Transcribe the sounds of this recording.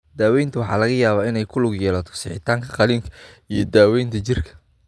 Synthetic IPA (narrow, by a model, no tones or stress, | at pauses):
d̪̥aːwɛjnt̪ʰʊwɑħɑ̰ːlɐɣɐjaːβaːɪnɛjkʰʊlʊɡjɛːlɐt̪ʰɔ̥sɪħɪt̪ʰaːŋkʰɐqɑliːŋkʰɐijɞd̪aːwɛjnt̪ʰɐt͡ʃɪrkʰɐ̥